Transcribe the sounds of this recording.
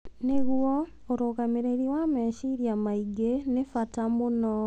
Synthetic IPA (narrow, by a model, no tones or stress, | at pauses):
neɣwo | oɾokameɾeɾiwameʃiɾjamaiɡenefatamono